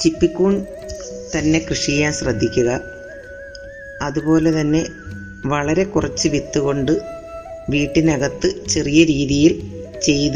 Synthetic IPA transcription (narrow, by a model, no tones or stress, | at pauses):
t͡ɕipːikʲːuːɳ | t̪ɐnːe̞krɨʂijaːnɕrɐd̪ʱːikʲːuɣɐ | ɐðupo̞ːle̞t̪ɐnːe̞ | ʋɐɭɐɾe̞kurʔɐt͡ɕːɨʋit̪ːuɣo̞ɳɖɨ | ʋiːʈːinɐɣɐt̪ːɨt͡ɕe̞rijɐɾiːðijilt͡ɕe̞jt̪